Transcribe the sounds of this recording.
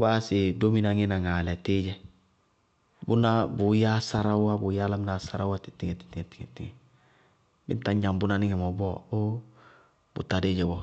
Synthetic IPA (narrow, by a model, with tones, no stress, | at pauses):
ba˦sɪ˨do˦mi˦na˨ŋɪ˦na˨ŋa˨lɛ˨tɪ˦d͡ʒɛ˨ | bʊ˦na˦bʊ˨ja˦sa˦ɾa˦wwa˦bʊ˨ja˦la˦mɪ˦na˨sa˦ɾa˦wa˦ti˨tɪ˦ŋɛ˨ti̥˦ti˨ŋɛ˨ti˦ŋɛ˨tɪ˦˨ŋɛ˨ | bɪ̰˦n˦ta˦ɲɲa˨mbʊ˦na˨nɪ˦ŋɛ˨mɔ˨bɔ˦o˦ | bʊ̰˨ta˨de˦d͡ʒɛ˨bɔ˨